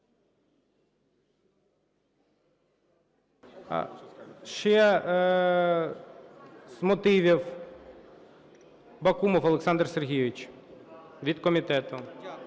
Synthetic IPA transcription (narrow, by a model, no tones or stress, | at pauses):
ʃɛ | z̥mɔt̪ɪʋʲiw | bɐkumɔwɐlˠeksɑnd̪rserɦʲijʊʋʲɪt͡ʃ | ʋʲid̪kɔmʲit̪ɛt̪ʊ